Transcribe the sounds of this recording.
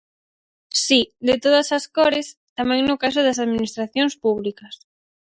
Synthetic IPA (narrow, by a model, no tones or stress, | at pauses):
sid̪ɪt̪oð̞ɐsɐskɔɾɪst̪amɛ̃ŋnʊkas̬ʊðɐsaðminist̪ɾaθjoŋspuβlikɐs